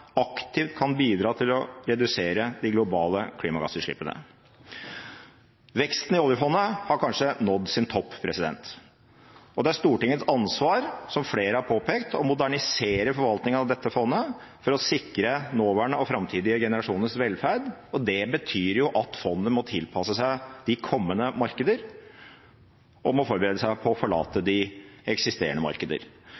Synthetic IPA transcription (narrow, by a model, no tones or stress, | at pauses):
ɑkt̪ɪft̪kʰɑnbiːd̪ɾɑːt̪ʰɪlɔɾɛd̪ʉseːɾəd̪ɪɡlʊbɑːləkʰliːmɑɡɑ̰səʂɭɪ̰pːənə̰ | ʋɛkst̪n̩ɪoːljəfɔnːəhɑɾkʰɑnʂənɔd̪ːsɪnt̪ʰɔpːpʰɾɛsɪd̪ɛ̰nt̪ | ʔɔd̪ɛæɾʂt̪uːʈɪŋːəsɑnsʋɑːɾsɔmfleːɾəhɑɾpʰoːpʰeːkt̪ɔmʊd̪æɳɪseːɾəfɔɾʋɑlt̪nɪŋənɑʋd̪ɛt̪ːəfɔnːəfɔɾɔsɪkɾənoːʋæːɳəɔfɾɑmt̪ʰiːd̪ɪəɡɛnəɾɑʂuːnəsʋɛlfæɾɖɔd̪ɛbət̪ʰyːɾjʊʔɑt̪fɔnd̪ənmɔt̪ʰɪlpʰɑsəsæɪd̪̥ɪkʰɔmːənəmɑɾkəd̪əɾ | ʔɔmɔfɔɾbəɾeːd̪əsæɪpʰɔɔfɔɭɑ̰ːt̪əd̪ɪɛksɪst̪ḛːɾəɳəmɑ̰ɾkəd̪ə̰ɾ